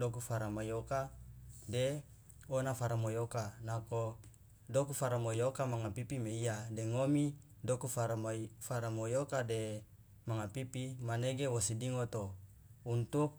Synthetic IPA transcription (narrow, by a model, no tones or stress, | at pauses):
dokufaɾamajokade | onafaɾamojokanako | dokufaɾamojokamaŋapipimeiadeŋomi | dokufaɾafaɾamojokade | maŋapipimaneɡewosidiŋot̪o | unt̪uk̚